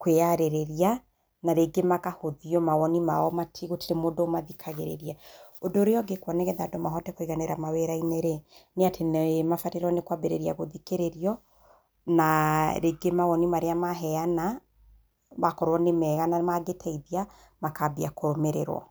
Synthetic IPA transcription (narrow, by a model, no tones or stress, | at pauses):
kweaɾeɾeɾia | naɾeɡemakahoðiɔmawɔnima̰ɔmatʰiɣoteɾemoːdomaðikʰaɣeɾḛɾiaodoːɾeɔɡekwaneɣɛðaːdomaɦɔdɛkoiɣaneɾamaweɾaineɾeneatʰenmafateɾɔnekwabeɾḛɾia̰ɣoðikeɾeɾiɔ | naɾeɡemawɔnimaɾeamaɦɛana | βakɔɾwɔnemɛɣanamaɡetʰɛiða | makabiakoɾomeɾeɾwɔ̰